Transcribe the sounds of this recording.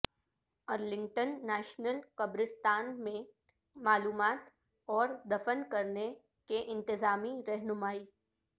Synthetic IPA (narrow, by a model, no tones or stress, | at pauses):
ɐɾlɪ̃ŋɡʈənːɛːʃnəlkɐbɾɪst̪aːnmẽ | maːluːmaːt̪ | ɔːɾd̪ɐfənkɐɾne | keʔɪ̃nt̪ɪzaːmiɾɛɦnʊmaːiː